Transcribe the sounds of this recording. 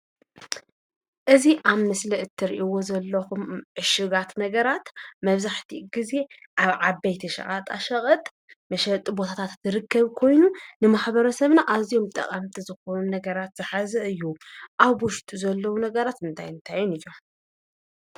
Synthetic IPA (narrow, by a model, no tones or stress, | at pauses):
ʔɨziʔaβmɨslɐʔɨt̪ʰːɨɾiʔiwo̞zɐlːɐxumʕɨʃɨɡat̪nɐɡɐɾat̪mɐβzaħt̪ʰiɡ̥ize̞ | ʔaβʕabːɐjt̪ʰiʃɐ̰ʔʼat̪ʼaʃɐχʼɐt̪ʼ | mɐʃɐt̪ʼbo̞t̪ʰat̪ʰat̪zɨɾɨkʰːɐβkʰo̞jnunɨmaħbɐɾɐsɐβnaʔazijo̞mt̪ʼɐ̰qʼamt̪ʰizɨxo̞nunɐɡɐɾat̪z̥ɨħazɨʔɨjːuʔaβwʊʃt̪ʼuzɐlːɐwunɐɡɐɾat̪ɨnt̪ʰajɨnt̪ʰajːunɨjo